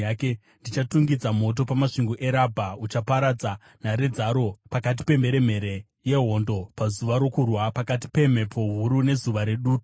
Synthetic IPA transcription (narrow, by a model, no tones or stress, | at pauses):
aːke | ndit͡ʃatuŋɡid͡zamo̞t̬o̞pamaʂiŋɡoʔe̞ɾabʱaut͡ʃapaɾad͡za | naɾe̞d͡zaɾo̞pakat̬i̥pe̞mbe̞ɾe̞m̤e̞ɾe̞ | je̞ɦo̞ndo̞pazuʋaɾo̞kurwapakat̬i̥pe̞m̤epʰo̞ɦuɾune̞zuʋaɾe̞ɗuːki